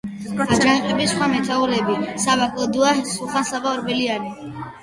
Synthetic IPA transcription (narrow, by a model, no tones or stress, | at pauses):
ad͡ʒaŋqʼɛbisχwamɛt̪ʰaulɛbisabakʼld̪uahsuχansabaɾbɛliani